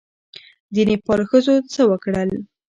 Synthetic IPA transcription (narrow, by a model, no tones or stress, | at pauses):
zinepɑlxəzot͡səwəkɽəl